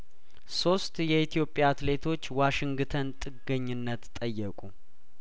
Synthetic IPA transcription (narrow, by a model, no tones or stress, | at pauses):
so̞st̪jɛit̪ʰijo̞pʼjaːt̪le̞t̪ʰo̞t͡ʃːwaʃɪŋɡt̪ʰənt̪ʼɨɡəɲːɪnːət̪t̪ʼːəjːɛkʷʼu